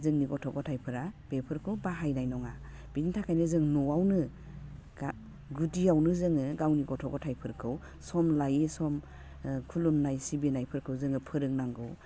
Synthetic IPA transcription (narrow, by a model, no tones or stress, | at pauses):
zɯŋniɡɔtʰɔɡɔtʰajpʰɯɾab̥epʰɯɾkʰɯwbaɦajnajnɔŋa | b̥intʰakʰajnɯzɯŋnɔawnɯ̥ | a | ɡudiawnɯzɯŋɯɡawniɡɔtʰɔɡɔtʰajpʰɯɾkʰɯw | sɔmlajesɔm | kʰulumnajsibinajpʰɯɾkʰɯwzɯŋɯpʰɯɾɯŋnaŋɡɯ̰w